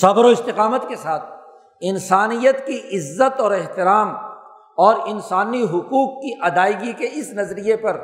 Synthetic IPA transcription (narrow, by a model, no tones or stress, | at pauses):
sɐbɾoɪst̪ɪqaːmət̪kesaːt̪̚ʰ | ɪnsaːnijət̪kiʔɪzːət̪ɔːɾɛɦt̪ɪɾaːm | ɔːɾɪnsaːniɦʊquːqːiʔɐd̪aːɪɡikeɪsnɐzɾijepɐɾ